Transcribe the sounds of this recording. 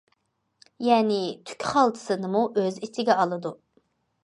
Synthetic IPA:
jɛːnɪt̪ʰy̥kʲʰχɑlˠt̪ʰɨ̥sɨnɨmuʔøzit͡ʃʰɪɡʲɛɑlˠɨd̪u

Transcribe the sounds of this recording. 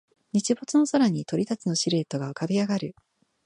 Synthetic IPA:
ɲ̟it͡ɕibo̞t͡sɨno̞soɾaɲ̟it̪o̞ɾʲit̪at͡sɨno̞ɕiɾe̞ːt̪o̞ɡaɯkabʲiaɡaɾɯ̟

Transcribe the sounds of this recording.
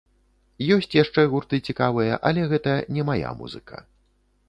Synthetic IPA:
jɔsʲt͡sʲjaʂt͡ʂɛɣurt̪ɨt͡sʲikavɨjɐʔɐlʲɛɣɛt̪ɐnʲɛmaja̰mṵzɨ̰kʰɐ̰

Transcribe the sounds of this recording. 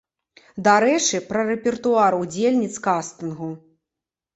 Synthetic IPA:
d̪aɾɛt͡ʂɨpɾɐrɛpʲɛrt̪uaɾud͡zʲelʲnʲit̪skast̪ɨnɣu

